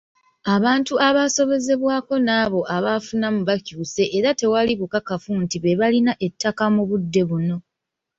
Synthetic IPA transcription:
aβaːntuʔaβaːso̞βe̞ze̞βwaːko̞naːβo̞ʔaβafunamuβacuːse̞ʔeɾate̞waliβukakafuntiβe̞βalinaʔe̞tːakamuβudːe̞βuno̞

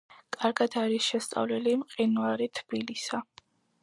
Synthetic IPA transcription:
kʼaɾɡad̪aɾisʃɛst̪sʼa̰vlɛlimqʼinuaɾit̪ʰb̥ilisa

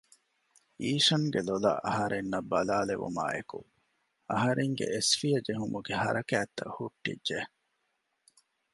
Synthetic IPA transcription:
iːʃɐŋɡelolɐ̰ʔɐɦɐɾenːɐbːɐlaːleʋṵma̰ːʔeku | ɐɦɐɾeŋɡḛʔesfijɐd͡ʒeɦumuɡehɐ̰ɾɐkæːt̪ːɐ̰huʈːḭdʒe

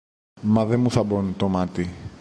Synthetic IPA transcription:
mɐðemuθɐbont̪omɐt̪i

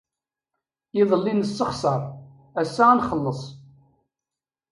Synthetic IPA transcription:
ɪðˤəlːinəsːəχsˤɑɾˤ | æsːanχəlːəsˤ

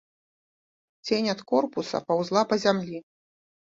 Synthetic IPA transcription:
t͡sʲenʲɐt̪kɔrpusɐ̰pawzlˠapɐzʲamlʲi

